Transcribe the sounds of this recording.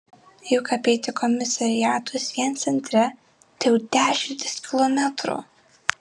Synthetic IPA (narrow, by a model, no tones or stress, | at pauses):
jɛkɐpʲɛɪt̪ʲɪkɔmʲɪsɐɾʲɪjæːt̪ʊsʋʲiɛnt̪sʲɛnʲt̪ʲɾʲɛ | t̪ʲɛʊd̪̥ʲæːʃʲɪnt̪ʲɪskʲɪlˠɔmʲɛt̪ɾṵ